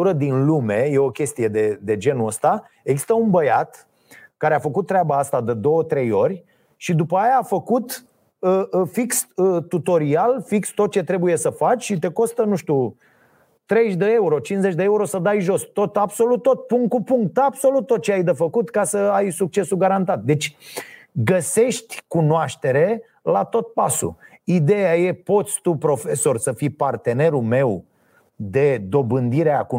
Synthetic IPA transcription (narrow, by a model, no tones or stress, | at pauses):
uɾəd̪inlume̞je̞o̞kʲe̞st̪ije̞d̪e̞d̪e̞d͡ʒe̞nuəst̪a | e̞ɡzist̪əunbəjat̪ | kaɾeafəkut̪ːɾeabaast̪ad̪ed̪o̞wət̪ɾe̞jo̞rʲ | ʃid̪upəajaːfəkut̪ | əfiksət̪ut̪o̞ɾialfikst̪o̞t̪̚t͡ʃe̞t̪ɾe̞buje̞səfat͡ʃʲʃit̪e̞ko̞st̪ənuʃt̪ʲu | t̪ɾe̞ʃd̪ee̞uɾo̞t͡ʃinze̞t͡ʃʲd̪eeuɾo̞səd̪ajʒo̞st̪o̞t̪abso̞lut̪ːo̞t̪̚puŋkupuŋk̚t̪abso̞lut̪ːo̞t̪̚t͡ʃeajd̪efəkut̪kasəajsuk̚t͡ʃe̞suɡaɾant̪at̪̚d̪e̞t͡ʃʲ | ɡəse̞ʃt̪ʲkunoaʃt̪e̞ɾe̞ | lat̪o̞t̪̚pasṵ | id̪e̞jaje̞po̞t̪sʲt̪upɾo̞fe̞so̞rsəfijpart̪e̞ne̞ɾume̞w | d̪e̞d̪o̞bɨnd̪iɾeaku